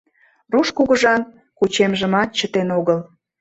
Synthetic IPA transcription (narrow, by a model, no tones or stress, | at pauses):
ruʃkuɣəʒɑn | kut͡ɕemʒəmɑt̪̚t͡ɕət̪enoɣəl